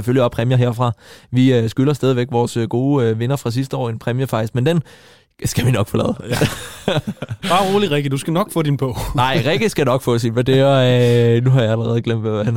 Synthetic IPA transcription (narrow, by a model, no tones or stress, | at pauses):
seføljiɒpʰʁɛmjɐɦe̝ɐfʁɑ̈ʋiøsɡ̥ylɐsd̥ɛːð̞ˠiʋeɡ̥ʋɒːsøɡ̥o̝ːʋe̝nɐfʁɑ̈s̬isd̥əɒ̰ːenpʰʁɛmjəfɑ̈ɡ̥̚isɡ̥mend̥en | sɡ̥æʋinɒ̽ɡ̥fɔ̽lɛ̰ːð̩ˠ | b̥ɑ̈ʁo̝ːliʁɛɡ̥id̥usɡ̥ænɒ̽ɡ̥fɔ̰̽ːd̥inb̥ɔʊ̰nɑ̈ɪ̰ʁɛɡ̥isɡ̥ænɒ̽ɡ̥fɔ̽sinʋæd̥eɐnuɦɑ̈jɑæləʁɛð̞̩ˠɡ̥lem̰d̥ʋæææn